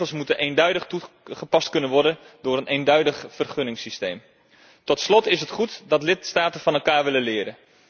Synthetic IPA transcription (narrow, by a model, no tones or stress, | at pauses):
əlˠsmutənʔeːndœɥdəχtu | χəpɑst̚kɵnənʋɔɹdən | dʊːɾənʔejndœɥdəχfərχønɪŋsistejm | tɔtslɔtɪsətχutdɑtlɪtstaːtəfɑnɛlˠkaːɹʋɪlənlɪːɾən